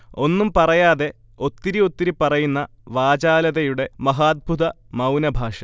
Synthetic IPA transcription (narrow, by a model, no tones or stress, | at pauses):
o̞nːumpɐrɐjaːðe̞ | o̞t̪ːiɾio̞t̪ːiɾipːɐrɐjunːɐ | ʋaːd͡ʑaːlɐðɐjuɽe̞mɐɦaːd̪̚bʱuðɐmɐwnɐbʱaːʂɐ